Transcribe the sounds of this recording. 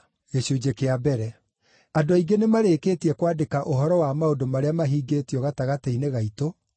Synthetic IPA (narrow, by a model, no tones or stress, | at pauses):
ɣeɕod͡ʑekeabɛɾɛ | adoaiɡenemaɾeːkeːtiɛkwaːdekaʔoɦɔɾɔwamaodomaɾeamaɦiːɡetiɔɣataɣateineɣaito